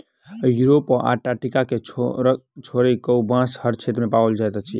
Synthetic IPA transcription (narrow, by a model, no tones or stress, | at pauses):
juɾopʔa̰ʈaʈikake | t͡ʃʰoɾikəwbãshəɾt͡ʃʰet̪ɾmepawəld͡ʒajt̪at͡ʃʰḭ